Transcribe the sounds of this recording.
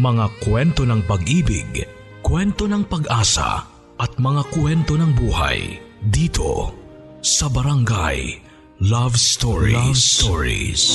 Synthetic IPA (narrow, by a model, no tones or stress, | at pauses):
mɐŋakwɛnt̪o̞nɐŋpɐɡʔiːbɪ̰ɡ | kwɛnt̪o̞nɐŋpɐɡʔaːsɐ̰ | ʔɐt̪̚mɐŋakwɛnt̪o̞nɐŋbuːha̰jd̪iːt̪ʰo̞̰ | sɐbɐɾɐŋɡa̰j | lavst̪oɹḭsoɹḭs